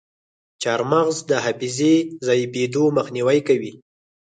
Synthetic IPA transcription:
t͡ʃɑɾmaɣzd̪əɦafizezɑjbed̪oməxniwajkawi

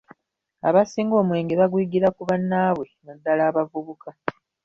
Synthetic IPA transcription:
a̰βasiːŋɡo̞ːmwe̞ːŋɡeβaɡwiːɡiɾakuβanːaːβwe̞nadːalaːβavuβuka

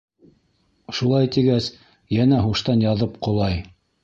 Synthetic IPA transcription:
ʃulˠɑjt̪iɡæs | jænæɦuʃt̪ɑnjɑðɤpqŏlˠɑj

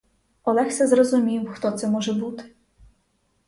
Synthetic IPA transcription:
ɔlˠɛxsʲɐzrɔzʊmʲiwxt̪ɔt̪sɛmɔʒɛbut̪ɪ̥

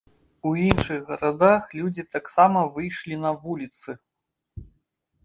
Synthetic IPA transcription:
uinʂɨɣɣɐɾad̪axlʲud͡zʲit̪aksamɐvɨjʂlʲinɐvulʲit̪sɨ

